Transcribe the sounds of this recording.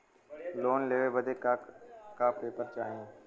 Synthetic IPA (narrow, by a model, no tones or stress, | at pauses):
loːnleːʋebəd̪ekakapeːpəɾt͡ʃaːɦẽː